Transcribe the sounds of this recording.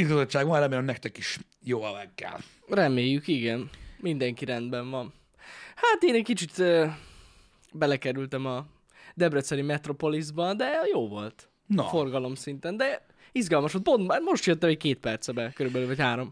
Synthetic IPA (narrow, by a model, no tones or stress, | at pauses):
izɡɒzot͡ʃːaːɡʋɒnɾɛmeːlɛmnɛk̚t̪ɛkiʃ | joːɛvɛɡːɛ̰l | rɛmeːjːykiɡɛnmind̪ɛŋkiɾɛnd̪bɛɱvɒn | haːt̪eːnɛckit͡ʃit̪øː | bɛlɛkɛɾylt̪ɛmɒ | d̪ɛbɾøt̪sɛɾimɛt̪ro̞po̞lizbɒnd̪ɛjoːvo̞lt̪ | nfo̞rɡɒlo̞msint̪ɛnd̪ɛ | izɡɒlmɒʃot̪̚po̞nt̪maːrmo̞ʃt̪jøt̪ːɛmɛckeːt̪̚pɛrt̪sɛbɛkøɾybɛløːvɒchaːɾo̞m